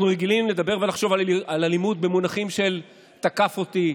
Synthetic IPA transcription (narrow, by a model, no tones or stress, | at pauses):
nuʁeɡilimle̞d̪abe̞ʁve̞laχʃo̞vaalalimud̪̚be̞munaχimʃe̞l | t̪akafo̞t̪i